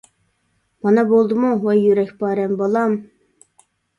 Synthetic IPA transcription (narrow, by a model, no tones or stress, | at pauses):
mɑnɑbolˠd̪ɨmuwɑjyɾækʲbɑːɾæmbolˠɑm